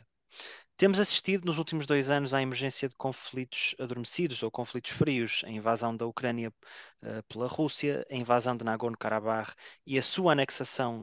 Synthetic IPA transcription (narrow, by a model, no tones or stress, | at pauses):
t̪emuzɐsi̥ʃt̪iðunuzulˠt̪imuʒðojzɐnuzaimɨɾʒẽsjɐðɨkõflˠit̪u̥ʃɐðuɾmɨsiðuzokõflˠit̪u̥ʃfɾiuʃɐ̰ĩvazɐ̃w̃d̪ɐukɾɐnjɐɛ̰plˠɐʁusjɐɐĩvazɐ̃w̃d̪ɨnaɣonukaɾaβaʁiɐsuɐanɛksɐsɐ̃w̃